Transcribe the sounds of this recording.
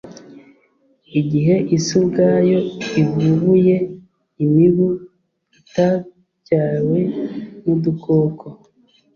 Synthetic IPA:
iɟiɦe̞ʔisubɡaːjo̞ivuβuje̞ | imiβu | ita | caːwemudukoːkʰo

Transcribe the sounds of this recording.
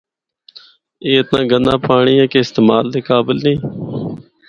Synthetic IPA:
eːɪt̪nãːɡənãːpaːɳiːẽːkeːɪst̪eːmaːld̪eːkaːbɪlnĩː

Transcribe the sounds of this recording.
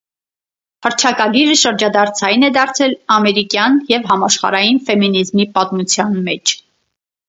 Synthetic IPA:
həɾt͡ʃʰɑkɑɡiɾəʃəɾd͡ʒɑd̪ɑɾt͡sʰɑjnɛd̪ɑɾt͡sʰɛlɑmɛɾikjɑnjɛvɦɑmɑʃχɑ̰ɾɑjinfɛminizmipɑt̪mut͡sʰjɑnmɛt͡ʃʰ

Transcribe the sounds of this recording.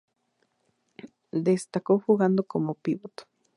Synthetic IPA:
d̪est̪akoxuɣand̪okomopiβot̪

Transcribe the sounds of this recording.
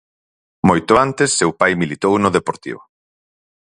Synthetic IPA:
mojt̪ʊant̪ɪsːewpajmilit̪ownʊðepoɾt̪ḭβʊ

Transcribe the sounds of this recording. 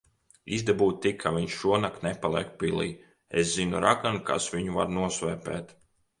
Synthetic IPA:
ḭzd̪ebuːt̪̚t̪ːikʰːavʲiɲʃʃuɔnakt̪nɛpalˠḭɛk̚pilˠḭː | ḛszinuɾakanka̰svʲiɲuva̰ɾnuɔsvɛːpɛ̰ːt̪

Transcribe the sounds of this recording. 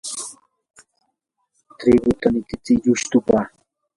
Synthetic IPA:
t̪ɾɪɡʊt̪anɪt̪ɪt͡sɪʎʊʃt̪ʊpa

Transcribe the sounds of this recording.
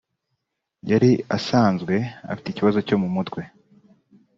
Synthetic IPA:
jaɾiasaːnzɡwe̞a̰fi̥ticiβazo̞co̞mumutkwe̞

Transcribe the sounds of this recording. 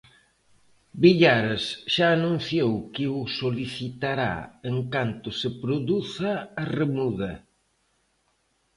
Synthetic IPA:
biʎaɾesʃaːnũn̟θjowkɪʊsoliθit̪aɾa̰eŋkant̪ʊsɪpɾoðuθaːremuðɐ

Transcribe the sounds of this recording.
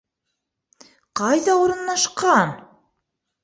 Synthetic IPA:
qɑjðɑuɾɤ̆nːɑʃqɑn

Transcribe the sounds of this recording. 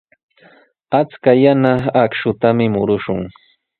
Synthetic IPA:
at͡skajanaːkʃʊt̪amɪmʊɾʊʃʊŋ

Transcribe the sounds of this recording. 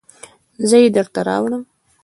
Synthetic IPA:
zəjed̪əɾt̪aɾɑ̰wɽəm

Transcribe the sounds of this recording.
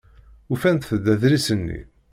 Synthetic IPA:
ufænt̪θəd̪æðɾisənːḭ

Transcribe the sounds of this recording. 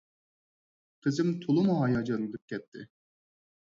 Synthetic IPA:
qʰɨzɪmt̪ʰolˠʊmuɦɑjɑd͡ʒɑnɨd̪ɨp̚kʲɛt̪ʰːɪ̰

